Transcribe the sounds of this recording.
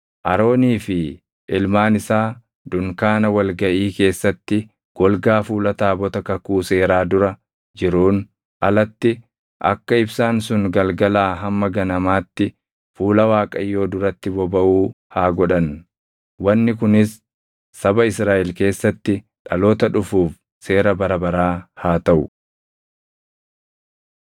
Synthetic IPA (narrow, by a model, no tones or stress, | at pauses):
ʔɐɾo̞ːniːfɪ | ʔɪlmaːnɪsaː | d̪ʊŋkaːnɐwɐlɡɐʔiːke̞ːsːɐt̪ːɪ | ɡ̥ɔlɡaːfuːlɐt̪aːbɔt̪ɐkɐkuːse̞ːɾaːd̪ʊɾɐ | d͡ʒɪɾuːn | ʔɐ̰lɐt̪ːɪ | ʔɐ̰kːɐɪbsaːnsʊŋɡɐlɡɐlaːɦɐmːɐɡɐnɐmaːt̪ːɪ | fuːlɐwaːkʼɐjːo̞ːd̪ʊɾɐt̪ːɪbɔbɐʔuː | haːɡɔᶑɐn | wɐnːɪkʊnɪsː | ɐbɐɪsɾaːʔɛlke̞ːsːɐt̪ːɪ | ᶑɐlo̞ːt̪ɐᶑʊfuːf | se̞ːɾɐbɐɾɐbɐɾaːhaːt̪ɐʔʊ